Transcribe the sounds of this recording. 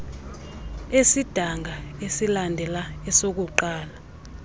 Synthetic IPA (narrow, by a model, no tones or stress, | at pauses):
esid̥ʱaŋʱaesilandʱɛlaɛsok̬uǃaːla